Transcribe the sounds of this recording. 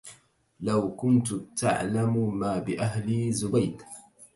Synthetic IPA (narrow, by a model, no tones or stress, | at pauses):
lawkʊnt̪ʊt̪a̰ʕlammaːbɪʔaɦlizʊbajd̪